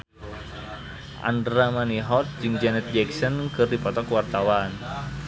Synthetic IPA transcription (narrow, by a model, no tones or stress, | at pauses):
ʔa̰ndɾamaniɦɔt̪̚d͡ʒɨŋd͡ʒanɛt̪̚d͡ʒɛksɔnkɨrdipɔt̪ɔkwart̪awan